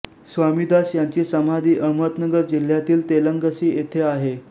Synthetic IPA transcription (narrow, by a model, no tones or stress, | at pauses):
sʋamiːd̪asjaɲt͡ɕiːsəmad̪iːʔəmət̪nəɡəɾd͡ʑil̤jat̪iːlt̪eləŋɡəsiːet̪ʰeaɦe